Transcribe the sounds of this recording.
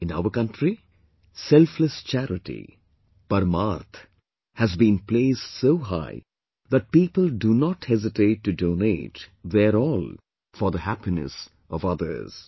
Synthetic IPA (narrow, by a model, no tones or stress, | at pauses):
ɪ̃na̰ʊəɾkʌ̃nʈʰɾi | sɛlfləst͡ʃæɾɪʈḭ | pəɾmaɾt̪ʰ | hæzbĩnpleːsdsoːɦa̰ɪ | ðæʈ̚piːpəldunɔʈhɛzɪʈeːʈːudõːneːʈðɛɾɔːl | fɔɾd̪əhæpinə̰s | ɔvʌd̪ə̰˞z̥